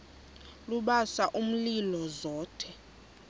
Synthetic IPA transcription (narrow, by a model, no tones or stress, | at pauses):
luɓasaʔum̩lilɔzɔːtʰɛ